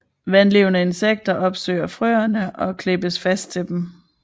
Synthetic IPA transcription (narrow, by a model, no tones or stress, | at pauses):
ʋænle̝ʊnəe̝nseɡ̥̚d̥ɐʔɒ̽b̥sø̰ːɪɐfʁø̰ːɐnəʔɒ̽kʰle̝b̥əsfæsd̥̚t͡sʰe̝ld̥em